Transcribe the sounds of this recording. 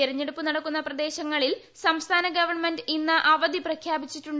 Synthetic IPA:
iɾɐɲːeɽupːunɐɽɐkːunːɐprɐd̪e̞ːɕɐŋːɐɭil | sɐmst̪ʰaːnɐɡɐʋɐrɳmendinːɐʔɐʋɐd̪iprɐkʰjaːbit͡ɕːitːuɳ

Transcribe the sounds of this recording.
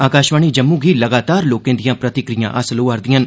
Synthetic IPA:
aːkaːʃʋəɳ̃id͡ʒɐmːũɡʱilɐɡaːt̪aːɾloːkẽnd̪ijãpɾɐt̪ɪkɾɪjã̰ʔɐsloɐɾd̪ijɐ̃n

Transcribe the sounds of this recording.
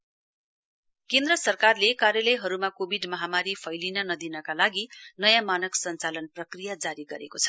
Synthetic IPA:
kend̪rʌsʌrkarlekarjʌlʌjɦʌɾumakobʱiɖmʌɦamaɾipʰʌjlinʌnʌd̪inʌkalaɡinʌjãmanʌksʌnt͡salʌnprʌkrijad͡zaɾiɡʌɾekot͡sʰʌ̥

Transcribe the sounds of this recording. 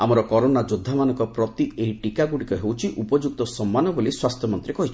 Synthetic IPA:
amɔɾɔkɔɾonad͡ʒod̪ʱːamanɔŋkɔpɾɔt̪ieɦiʈikaɡuɽikɔɦewt͡ʃʰiʔupɔd͡ʒuk̚t̪ɔsɔmːanɔboliswast̪ʰjɔmɔnt̪ɾikɔɦit͡ʃʰi̥

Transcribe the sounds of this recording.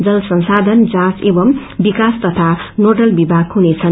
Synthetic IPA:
d͡zʌlsʌ̃nsad̪ʱʌnd͡zãsebʌm | bikast̪ʌt̪ʰanoʈʌlbibʱaɡɦunet͡sʰʌn

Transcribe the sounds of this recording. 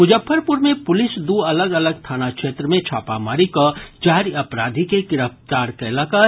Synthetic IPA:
mʊd͡ʒəfʰːəɾpʊɾmẽpʊlɪsd̪uɐləɡɐləɡ̚t̪ʰaːnakʃeːt̪ɾəmẽt͡ʃʰa̰ːpamaːɾikod͡ʒaːɾɐpɾaːd̪ʱikeɡɪɾəft̪aːɾkɛlakaː

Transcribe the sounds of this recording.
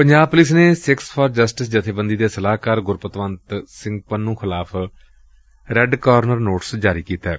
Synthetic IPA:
pəɲd͡ʒaːb̚pʊlɪs̬neːsɪkspʰɔːɾd͡ʒəsʈɪsd͡ʒət̪ʰeːbənd̪iːd̪eːsəlaːkəːɾɡʊɾpət̪ʋənt̪sɪ̃ŋɡ̚pənːũːxʰɪlaːpʰ | ɾɛɖkaːɾnəɾnoːʈsd͡ʒaːɾiːkiːt̪aː

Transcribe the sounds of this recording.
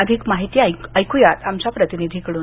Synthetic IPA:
əd̪ʱikmaɦit̪iːaəjkujat̪amt͡ɕapɾət̪inid̪ʱikəɽuːn

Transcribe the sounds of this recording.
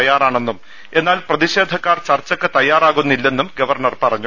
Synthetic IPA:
jaːraːɳe̞nːum | e̞nːaːlprɐðiɕe̞ːd̪ʱɐkːaːrt͡ɕɐrt͡ɕːɐkːɨt̪ɐjːaːɾaːɣunːilːe̞nːumɡɐʋɐrɳɐrpɐrɐɲːu

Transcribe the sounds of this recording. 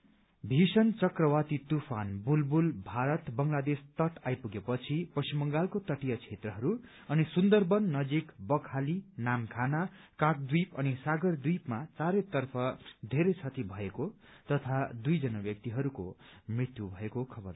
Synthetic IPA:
bʱisʌnt͡sʌkrʌwat̪it̪upʰanbulbulbʱaɾʌt̪bʌŋlad̪est̪ʌʈajpuɡepʌt͡sʰipʌsimʌŋɡalkot̪ʌʈijʌt͡sʰet̪rʌɦʌɾu | ʌnisund̪ʌrbʌnːʌd͡zikbʌkʰalinamkʰanakak̚d̪wipʌnisaɡʌrd̪wipmat͡saɾet̪ʌrpʰʌd̪ʱeɾʌjt͡sʰʌt̪ibʱʌekot̪ʌt̪ʰad̪ujd͡zʌnabjʌk̚t̪iɦʌɾuko̰mrit̪jubʱʌekokʰʌbʌr

